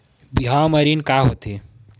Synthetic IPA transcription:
biɦãməɾinkaɦot̪e

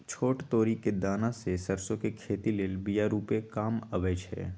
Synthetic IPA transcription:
t͡ʃʰoːʈt̪oːɾiked̪aːnasesəɾsõkekʰeːt̪ileːlbijaɾuːpekaːməʋeːd͡ʒɦɛ̰ː

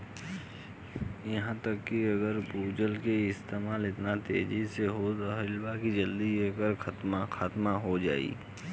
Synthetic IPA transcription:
jɐɦãt̪ɐkːiɐɡəɾpuːd͡ʒəlkeɪst̪eːmaːlɪt̪nat̪ḛːd͡ʒiseɦoɦɪlbakid͡ʒɐld̪iekəɾkɐt̪maxaːt̪maɦod͡ʒa̰ːḭː

